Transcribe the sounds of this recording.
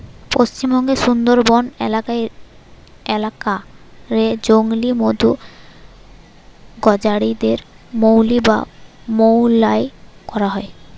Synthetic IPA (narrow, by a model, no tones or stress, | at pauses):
post͡ɕimbɔŋɡeʃund̪oɾbɔnḛlakae | elakaɾed͡ʑoŋlimod̪ʱu | ɡɔd͡ʑaɽid̪eɾ | mowliba̰mowlaekɔɾaɦɔe